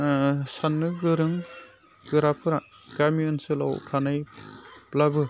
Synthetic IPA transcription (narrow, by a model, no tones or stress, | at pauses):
sanːɯɡɯɾɯŋ | ɡɯɾapɯɾa | ɡ̥amiɯnsɯlawpʰanajplabɯ